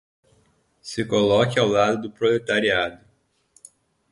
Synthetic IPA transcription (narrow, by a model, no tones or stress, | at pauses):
sɪkolɔkɪawlad̪ʊd̪ʊpɾolet̪aɾiad̪ʊ